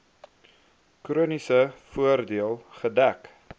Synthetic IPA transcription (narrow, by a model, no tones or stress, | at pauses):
kruənisəfuərdiəlˠχədæk